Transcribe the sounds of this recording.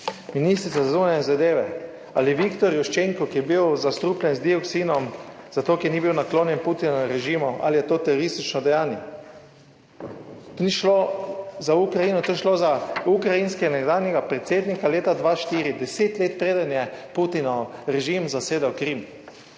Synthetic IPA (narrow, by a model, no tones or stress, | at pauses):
miniːst̪ɾit̪sazazunanɛzad̪eːʋɛ | aliʋikt̪ɔɾjuʃt͡ʃeŋkɔkijɛbiwzast̪ɾuːplʲɛnzd̪iɔksinɔmzat̪oːkiɾnibiwnakloːnjɛnput̪inɔɾɛʒimɔʔa̰lijɛt̪oːt̪ɛɾɔɾist̪it͡ʃnɔd̪ɛjaːnjɛ | t̪oniʃlozaukɾajiːnɔt̪oːjʃlozaukɾajinskɛanɛɡd̪aːwnjɛɡapɾɛt̪seːd̪nikaleːt̪ad̪ʋaʃt̪iːɾid̪ɛseːt̪leːt̪̚pɾeːd̪anjɛput̪inɔɾɛʒimzaseːd̪awkɾim